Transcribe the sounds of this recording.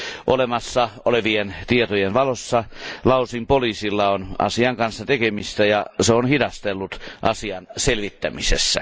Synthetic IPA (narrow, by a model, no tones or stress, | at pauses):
ʔolemɑsːɑoleʋient̪iet̪ojenʋɑlosːɑlɑusimpoliːsilːɑonɑ̰siɑŋkɑnsːɑt̪ekemist̪æjɑseonhidɑst̪elːut̪ʔɑsiɑnselʋit̪ːæmisḛsːæ̰